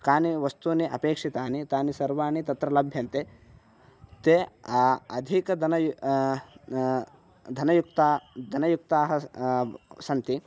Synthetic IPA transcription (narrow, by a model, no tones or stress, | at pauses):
kaːniʋɐst̪uniʔɐpeːkʂit̪aːnit̪aːnisɐɾʋaːnit̪ɐt̪ɾɐlɐbʱjɐnt̪e | t̪eː | ɐd̪ʱikɐd̪ɐɐj | d̪ʱɐnɐjukt̪aːd̪ʱɐnɐjuk̚t̪aːɦɐ | sɐnt̪i